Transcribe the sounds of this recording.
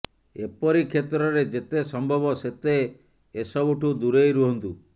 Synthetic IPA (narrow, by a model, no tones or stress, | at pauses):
epɔɾikʰet̪ɾɔɾed͡ʒet̪esɔmbʱɔbɔset̪eː | sɔbuʈʰud̪uɾejɾuɦɔnt̪u